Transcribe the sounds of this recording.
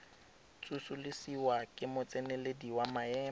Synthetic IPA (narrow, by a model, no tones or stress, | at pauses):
t͡sʼusulɪsiwakʼɪmʊt͡sʼɛnɛlediwamaɛː